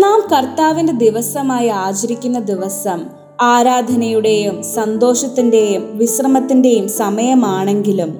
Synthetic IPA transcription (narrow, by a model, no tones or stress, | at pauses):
naːmkɐrt̪aːʋinde̞d̪iʋɐsɐmaːjiaːt͡ɕɐɾikʲːunːɐd̪iʋɐsɐm | aːɾaːd̪ʱɐnɐjuɽe̞jumsɐnd̪o̞ːʂɐt̪ːinde̞jumʋisrɐmɐt̪ːinde̞jumsɐmɐjɐmaːɳe̞ŋɡilum